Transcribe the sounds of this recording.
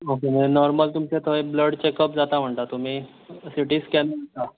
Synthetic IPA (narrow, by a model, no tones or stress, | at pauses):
okemənɔɾməlt̪umset̪ʰəebləɽt͡ɕekəp̚d͡zat̪am̤əɳt̪at̪um̤iː | siʈiːskɛnəət̪a